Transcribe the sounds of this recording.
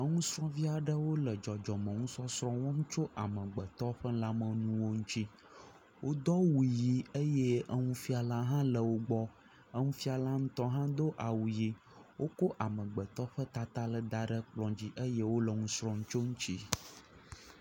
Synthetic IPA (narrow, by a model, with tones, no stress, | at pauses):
ə˦ŋũ˦sɾɔ̃˦vi˦a˨ɖə˦wo˦lə˨d͡ʒɔ˨d͡ʒɔ˨mə̃˨ŋũ˦sɔ˦sɾɔ̃˦wɔ̃˦m˦t͡ʃo˦ʔa˨mə̃˨ɡ͡bə˨t̪ɔ˦ɸə˦la˦mə̃˨nũ˦wo˦ŋũ˦t͡ɕi˦ | wʔo˦d̪ɔ˦wu˨ji˨ə˦je˦ʔə˦ŋũ˦fi˦a˨la˦ɦã˦lə˨wo˦ɡ͡bɔ˦ | ə˦ŋũ˦fi˦a˨la˦ŋ̩̃˦t̪ɔ˦ɦã˦d̪o˦ʔa˨wu˨ji˦ | wo˦ko˦ʔa˨mə̃˨ɡ͡bə˨t̪ɔ˦ɸə˦t̪a˦t̪a˦lə˨d̪a˦ɖə˦k͡plɔ̃˨d͡ʑi˦ʔə˦je˦wo˦lə˨ŋũ˦sɾɔ̃˦ŋũ˦t͡ʃo˦ŋũ˦t͡ɕi˦